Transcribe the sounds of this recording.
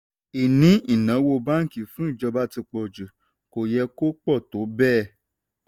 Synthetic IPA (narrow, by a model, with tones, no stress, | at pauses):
i˨nĩ˨˦i˦˨nã˨˦wo˧ba˦ŋ̩˨ki˨fũ˨˦i˦˨d͡ʒɔ˧ba˦ti˧k͡pɔ˧d͡ʒu˨ | ko˨jɛ˧ko˦k͡pɔ˦˨to˨˦bɛː˦˨